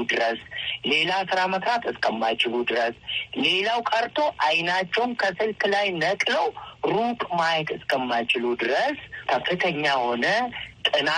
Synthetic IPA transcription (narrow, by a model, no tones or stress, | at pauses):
ud̪ɨɾəsle̞lasɨɾamət̪ɾat̪ɨskʰəmːajt͡ʃɪlud̪ɨɾəsle̞lawkʼəɾt̪ʰo̞ʔajnat͡ʃːɛwnkʰəsɨlkʰlajnəkʼləwɾukʼmajkʼɨskʰəmːajt͡ʃɪlud̪ɨɾəskʰəfːɨt̪ʰəɲːaho̞nət̪ʼɨna